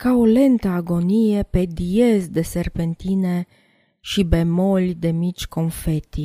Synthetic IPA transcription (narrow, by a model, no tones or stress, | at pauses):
kawlent̪aːɡonieped̪ijezd̪eserpent̪ine | ʃibemolʲd̪emit͡ʃkonfet̪i